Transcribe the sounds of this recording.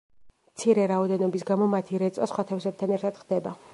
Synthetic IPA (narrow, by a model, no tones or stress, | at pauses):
mt̪sʰiɾɛɾaɔd̪ɛnɔbisɡamɔmat̪ʰiɾɛt̪sʼɔsχwat̪ʰɛfsɛb̚t̪ʰanɛɾt̪ʰad̪̥χd̪ɛba